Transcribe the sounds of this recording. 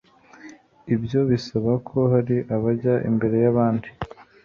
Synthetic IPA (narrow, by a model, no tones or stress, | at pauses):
ibjo̞βisaβakʰo̞haɾiʔaβaɟaʔḭmbe̞ɾe̞jaβaːndi